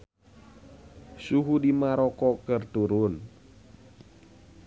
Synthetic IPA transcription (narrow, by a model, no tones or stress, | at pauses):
suɦudimaɾɔkɔkərt̪uɾʊn